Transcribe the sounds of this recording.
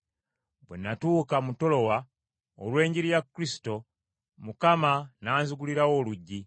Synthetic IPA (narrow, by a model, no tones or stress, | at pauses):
bwḛnːatuːkamuto̞lo̞wa | o̰lwe̞ːɲɟiɾijakːɾisi̥to̞ | mukamanaːnzuɡuliɾawo̞ːluɟːi